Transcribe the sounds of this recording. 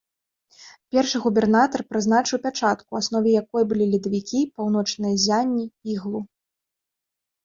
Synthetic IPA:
pʲɛrʂɨɣubʲɛrnat̪ɐrpɾɨznat͡ʂɨwpʲat͡ʂat̪kuasnɔvʲɛjakɔjɐbɨlʲilʲid̪ɐvʲikʲipawn̪ɔt͡ʂnɨjɐzʲanʲːiiɣlˠu

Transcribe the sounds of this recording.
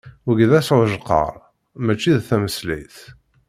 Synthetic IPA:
wəɡðæsʕʒqːə̰ɾˤ | mæt͡ʃːiðθæməslḭθ

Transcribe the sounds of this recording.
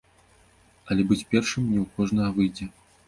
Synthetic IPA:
ɐlʲɛbɨt͡sʲpʲɛrʂɨmnʲɛwkɔʐnɐɣɐvɨjd͡zʲɛ

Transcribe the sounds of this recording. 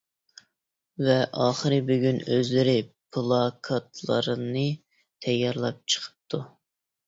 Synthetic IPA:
vɛʔɑːχəɾɨbyɡʲynøzlɪɾɪpʰɨlˠɑkʰɑt̪ʰlˠə̰ɾɨnɨ | t̪ʰɛjːɑɾlˠɑp̚t͡ʃʰə̥qʰə̥p̚t̪ʰu

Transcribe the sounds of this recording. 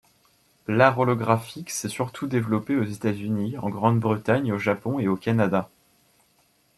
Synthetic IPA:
laʁɔlɔɡʁafiksɛsyʁt̪ʰud̪evlɔpeozet̪azyniɑ̰̃ɡʁɑ̃d̪bʁət̪aɲoʒapɔ̃eokʲanad̪a

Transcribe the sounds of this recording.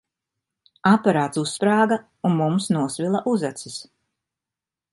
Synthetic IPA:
apaɾaːt̪suspɾaːɡa | unmumsnuɔsvilˠaʔuzat̪sis

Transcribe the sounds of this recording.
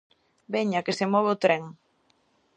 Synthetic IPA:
beɲakesemɔβ̞ot̪ɾeŋ

